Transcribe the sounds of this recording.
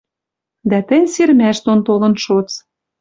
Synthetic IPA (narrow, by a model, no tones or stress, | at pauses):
d̪æt̪ɘ̆nʲseɾmæʃt̪ont̪olɤ̆nʃot͡s